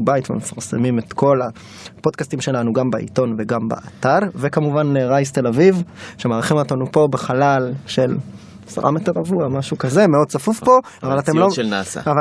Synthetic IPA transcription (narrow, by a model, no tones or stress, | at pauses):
baitvemefaʁsḛmimetko̞la | podkastimʃe̞lanuɡambaʔḭto̞nveɡamba̰ʔataʁvekamuvaneʁajste̞lavivʃemaːʁχimot̪anupo̞beχalalʃe̞l | sa̰ʁa̰meteʁavuamaʃukaze̞meo̞d̚t͡safufpo̞ | avalat̪emlolnasa̰ava